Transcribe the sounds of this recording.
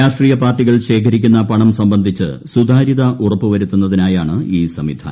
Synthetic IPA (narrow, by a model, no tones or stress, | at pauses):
aːʂʈriːjɐpaːrʈːiɣɐɭɕe̞ːkʰɐɾikʲːunːɐpɐɳɐmsɐmbɐnd̪ʱit͡ɕːɨ̰sud̪ʱaːɾiðɐʔurɐpːɨʋɐɾut̪ːunːɐðinaːjaːɳɨiːsɐmid̪ʰʱɐ̰